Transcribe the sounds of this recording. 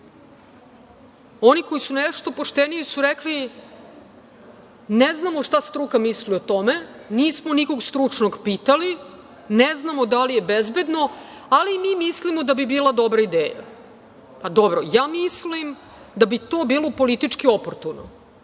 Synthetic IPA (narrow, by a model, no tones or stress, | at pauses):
o̞nikojisuneʂt̪o̞poʂt̪enijisuɾekli | neznamo̞ʂt̪ast̪ɾukamisliot̪o̞meniːsmoniko̞ɡst̪ɾut͡ʂnoɡpiːt̪ali | neznamod̪alijebezbed̪no̞ | alimimislimod̪abibiːlˠad̪obɾaid̪eːja̰ | pad̪obɾojaːmislim | d̪abit̪oːbiːlˠo̞po̞lit̪it͡ʂkiopoɾt̪uno̰